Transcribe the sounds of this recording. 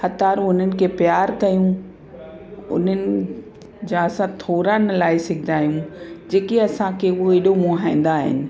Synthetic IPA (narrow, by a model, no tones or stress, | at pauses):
xɐt̪aːɾũʊn̤ənɪ̆kʰeːpjaːɾkɐjũ | ʊ̰n̤ənɪ̆ | d͡ʑãɐsãt̪ʰoːɾanlaːɪsɪɡʱɪd̪aːjũd͡ʑeːkeɐsãkʰeʊɦoɪɗomoɦaĩːn̆d̪aːɦɪ̰nɪ̆